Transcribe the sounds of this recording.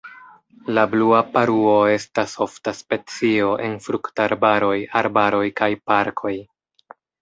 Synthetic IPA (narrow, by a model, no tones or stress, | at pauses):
labluapaɾuo̞e̞staso̞ftaspe̞t͡sio̞ʔe̞nfɾuktaɾbaɾo̞jaɾbaɾo̞jkajpaɾkʰo̞j